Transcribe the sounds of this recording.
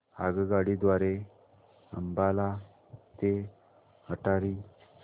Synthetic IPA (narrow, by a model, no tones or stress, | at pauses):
aɡəɡaɽid̪ʋaɾe | ə̰mbala | t̪e | həʈaɾiː